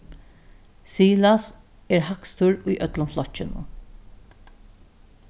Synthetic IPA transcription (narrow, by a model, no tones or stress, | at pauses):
siːlas | ɛɾɦakst̪ʊɹʊjʔœt̪lʊnflɔt͡ʃːɪnʊ̰